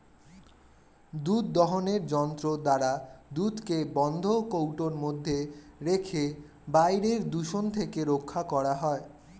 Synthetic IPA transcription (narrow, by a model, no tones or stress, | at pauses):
d̪ud̪̚ːɔɦoneɾd͡ʑɔnt̪ɾod̪aɾad̪ut̪kebɔnd̪ʱokowʈoɾmod̪ʱːeɾekʰe | bajɾeɾd̪uʃont̪ʰekeɾokʰːakɔɾaɦɔe